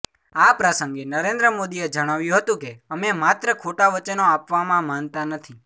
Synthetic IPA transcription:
apɾəsə̃ŋɡenəɾẽnd̪ɾəmod̪ied͡ʒəɽ̃aʋjũɦət̪ũkeəmemat̪ɾəkʰoʈaʋət͡ʃənoapʋamãmant̪anət̪ʰi

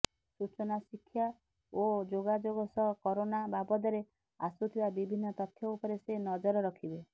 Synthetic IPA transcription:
sut͡ʃɔnasikʰːja | od͡ʒoɡad͡ʒoɡɔsɔɦkɔɾonababɔd̪ɔɾe | a̰sut̪ʰibabibʱinːɔt̪ɔt̪ʰjɔupɔɾesenɔd͡ʒɔɾɔɾɔkʰibe

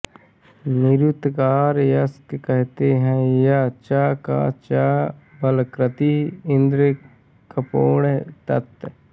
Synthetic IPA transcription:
nɪɾut̪kaːɾjɐskkɛɦt̪eɦɛ̃jat͡ʃaːka̰t͡ʃabɐlkɾət̪iɪnd̪ɾə | kəpoːɳt̪ɐt̪

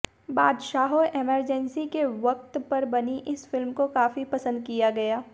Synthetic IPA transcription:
baːd̪ʃaːɦoʔeməɾd͡ʒɛnsikeʋɐk̚t̪pɐɾbɐniʔɪsfɪlmkokaːfipɐsə̃nd̪̚kijaɡɐjaː

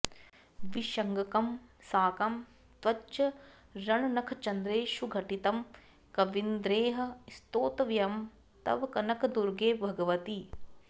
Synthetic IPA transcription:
ʋiʃɐŋɡɐkɐmsaːkɐm | t̪ʋɐt͡ʃɐ | ɾɐɳɐnɐkʰɐt͡ʃɐnd̪ɾeːʃuɡʱɐʈit̪ɐm | kɐʋind̪ɾeːɦɐ̆st̪oːt̪ɐʋjɐm | t̪ɐ̰ʋkɐnɐkʰɐd̪uɾɡeːbʱɐɡɐʋɐt̪i

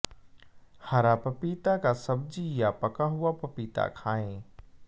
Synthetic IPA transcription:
hɐɾapɐpiːt̪akasɐbd͡ʒijapɐkaɦʊapɐpiːt̪a̰kʰaːẽː

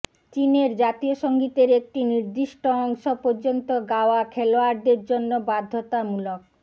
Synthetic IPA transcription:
t͡ɕineɾd͡ʑat̪ioʃoŋɡit̪eɾek̚ʈiniɾd̪iʃʈoɔŋʃopoɾd͡ʑont̪oɡaoakʰeloaɾd̪eɾd͡ʑonːobad̪ʱːot̪amulok̚

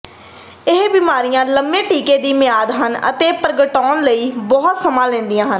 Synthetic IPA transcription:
ɪɦbɪːmaːɾijãːləmbẽːʈiːkeːd̪iːmɪjaːd̪ɦənə̰t̪eːpəɾɡəʈɔːnləiːbɔːt̪səmãːlɛ̃ːnd̪ijãːɦən

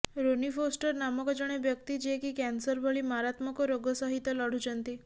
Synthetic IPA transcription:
ɾonifosʈəɾnamɔkod͡ʒəɽ̃ebjək̚t̪id͡ʒekikɛnsəɾbʱəɭimaɾat̪məkoɾoɡəsəɦit̪ːjəlɔɽ̤ud͡ʒənt̪i

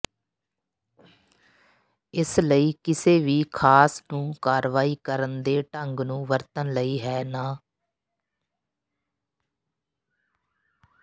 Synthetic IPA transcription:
ɪsləiːkɪseːʋiːkʰaːsnũːkaːɾʋaːiːkəɾənd̪eːʈəŋɡnũːʋəɾt̪ənləiːɦɛːnaː

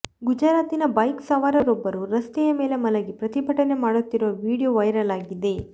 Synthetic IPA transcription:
ɡud͡ʒɐɾaːt̪inɐbɐjksɐʋaːɾɐɾobːɐɾuɾɐst̪ɛjɐmeːlemɐlɐɡepɾɐt̪ibʱɐʈɐne̞maːɽut̪ːiɾuʋɐʋiːɽijoʋɐjɾɐlaːɡid̪e̞

